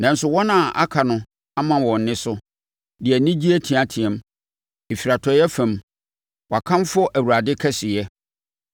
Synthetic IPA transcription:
nã˨n̩˦sʊ˨wɔ˦nã˨ʔa̰˦kʰa˨nʊ̃˦ | a˦mã˨wɔ̃˨n̩˨nɪ̃˦sʊ˦ | dɪ˨ɛ˨nɪ̃˦d͡ʑi˦æ˦tʰĩ˨a˨tʰĩ˨ɛ̃˦m | e˨fi˨ɾa˨tʰɔ˨jɛ˦fæ̃˨m | wɔ˨a˨kʰã˦mfʊ˦ɔ˦ʔæ˨wu˨ɾa˨dɪ˦kʰɛ˦sɪ˨jɛ˦

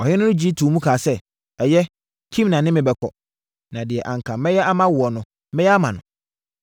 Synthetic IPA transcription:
ɔ˨hɪ̃˦nʊ̃˦nʊ̃˦d͡ʑi˦tʰu˨mũ˦kʰaː˨sɛ˦ | ɛ˨jɛ˦ | kʰĩ˦mnã˨nɪ̃˦mɪ̃˨bɛ˨kʰɔ̰˨ | nã˨dɪ˨ɛ˨ʔã˨ŋ˨kʰã˨˦mɛ̃˦jɛ˦ʔa˦mã˦wʊ˨ɔ˨nʊ̃˨ | mɛ̃˦jɛ˦a˦mã˨nʊ̃˨

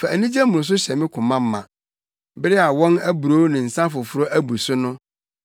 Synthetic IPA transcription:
fa˨æ˨nĩ˦d͡ʑɛ˦mʊ̃˨s̬ʊ˦ɕɛ˨mɪ̃˦kʰʊ̃˨mã˦m̩˦mã̰˨ | bɪ˦ɾɪ˦a˨wɔ̃˦næ˦bu˨ɾoː˨˦nɪ̃˨n̩˨sã˦fʊ˨fʊ˦ɾo˦ʔæ˦bu˨sʊ˦nʊ̃˦

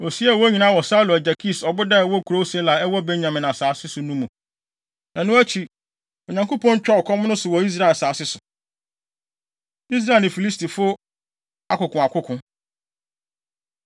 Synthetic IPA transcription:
o˨si˦a˦˨wɔ˦ɲĩ˨nã˦wɔ˨sa˦lɔ˨æ˨d͡ʑa˨kʰi˦˨sɔ˨bʊ˦da˦ɛ˨wɔ˦kʰu˨ɾo˦sɛ˦la˨ɛ˦wɔ˦be˦ɲ˨ã˨mɪ̃˨nã˨saː˨˦sɪ˦sʊ˨nũ˦mũ˨ | nã˨nʊ̃˦æ˦t͡ɕʰi˨ | o˨ɲã˨ŋko˦pʰɔ̃˦ɲ˦t͡ɕᶣɔ˦ɔ˨kʰɔ̃˦m˦nʊ̃˦sʊ˨wɔ˨i˦s̬ɾa˦ɛ˨saː˨sɪ˦sʊ˨ | i˦s̬ɾa˦˨lnɪ̃˨fi˨li˦sti˨fʊ˦ | a˦kʊ˨kʊ̃˨a˨kʰʊ˦kʰʊ̃˨

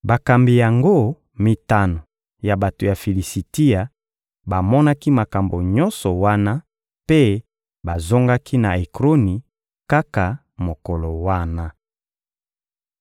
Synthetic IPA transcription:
ba˨ka˨mbi˨ja˨ŋɡo˦ | mi˨ta˦no˨ | ja˨ba˨to˨ja˨fi˨li˨si˨ti˦a˨ | ba˨mɔ˦na˦ki˦ma˨ka˨mbo˨ɲɔ˦nsɔ˨wa˦na˦ | pe˦ | ba˨zo˦ŋɡa˦kʰi˦na˨e˨kʁo˦ni˨ | ka˦ka˨ | mo˨ko˨lo˨wa˦na˦

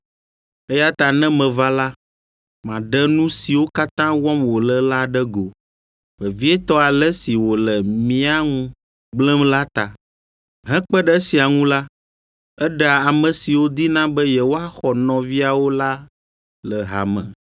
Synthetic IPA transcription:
ɛ˦ja˦t̪a˨nɛ̃˦mɛ̃˨va˦la˦ | mã˨ɖɛ˦nũ˦si˨wo˦ka˦t̪ã˦wɔ̃˦mwo˨lɛ˦la˦ɖɛ˦ɡo˨ | mɛ˨vi˦ɛ˦t̪ɔ˦a˨lɛ˦si˨wo˨lɛ˨mĩ˦a˦ŋũ˦ | ɡ͡blɛ̃˦mla˦t̪a˨ | ɦɛ̃˦k͡pɛ˦ɖɛ˦si˨a˨ŋũ˦la˦ | ɛ˦ɖɛ˦˨a˨a˨mɛ̃˨si˨wo˦d̪i˦nã˦bɛ˦jɛ˨wo˦a˦xɔ˨nɔ̃˨vi˦a˨wo˦la˦ | lɛ˨ɦa̰˨mɛ̰̃˨

